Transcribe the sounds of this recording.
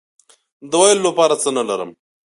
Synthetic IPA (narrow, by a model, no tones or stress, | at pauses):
d̪əwɑjllapɑɾat͡sənalaɾə̰m